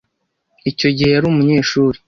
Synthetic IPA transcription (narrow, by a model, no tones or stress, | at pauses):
ico̞ɟihejaɾuːmuɲe̞ːʃuːɾi